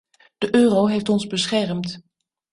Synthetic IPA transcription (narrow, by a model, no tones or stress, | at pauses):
d̥əʔøːrowɦejftɔnzbəsχɛrmt